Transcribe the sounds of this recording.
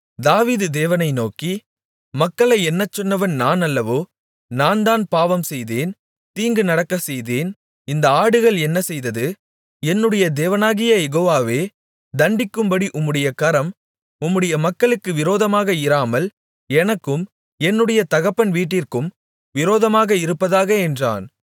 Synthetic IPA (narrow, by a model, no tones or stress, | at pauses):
d̪aːʋiːðɯd̪eːʋɐnɐɪnoːki | mɐkːɐɭɐɪɛnːɐt͡ʃːɔnːɐʋɐnnaːnɐlːɐʋoː | naːnd̪aːnpaːʋɐmsɛjðeːn | t̪iːŋɡɯnɐɽɐkːɐsɛjðeːn | ɪnd̪ɐaːɽɯɣɐɭɛnːɐsɛjðɐðɯ | ɛnːɯɽɐjɐd̪eːʋɐnaːɣɪjɐjɛɣoːʋaːʋeː | d̪ɐɳɖɪkːɯmbɐɽiʔʊmːɯɽɐjɐkɐɾɐm | ʊmːɯɽɐjɐmɐkːɐɭɯkːɯʋɪɾoːðɐmaːɣɐɪɾaːmɐl | ɛnɐkːɯm | ɛnːɯɽɐjɐt̪ɐɣɐpːɐnʋiːʈːɪrkɯm | ʋɪɾoːðɐmaːɣɐɪɾɯpːɐðaːɣɐɛndra̰ːn